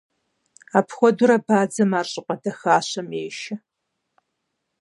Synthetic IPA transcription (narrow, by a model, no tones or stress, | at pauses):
aːpʰxʷɔdʊɾɐbaːd͡zɐmaːrɕʼɪqʷʼɐdɐxaːɕɐmeːʃɐ